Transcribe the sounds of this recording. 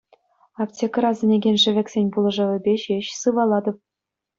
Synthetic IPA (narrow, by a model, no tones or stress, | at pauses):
ɑptʲekrɑzʲɘ̆nʲeɡʲenʲʂɘ̆ʋʲɘ̆kʲsʲenʲbulˠɤ̆ʐɤ̆ʋʲɘ̆bʲeɕeɕsɯʋɑlˠɑd̪ɤ̆p̚